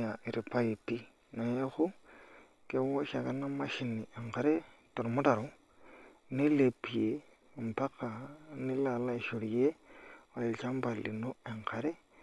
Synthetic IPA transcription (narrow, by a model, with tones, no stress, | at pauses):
a˨ʔi˨ɾʔi˨pa˦i˨pːi˦ | no˨je˦xu˦ | ke˦wo˦ʃa˨ka˦na˦ma˦ʃi˨ni˨ʔe˨ŋka˨ɾe˦to˨ɾo˨mu˦ta˨ɾo˨ | ni˦le˨pːi˨je˨ | o˨mpa˦ka˨ni˦la˨la˦i˨ʃu˨ɾije˦o˨le˨t͡ʃa˦mba˨lːḭ˨no˦e˨ŋkʰa˨ɾe˦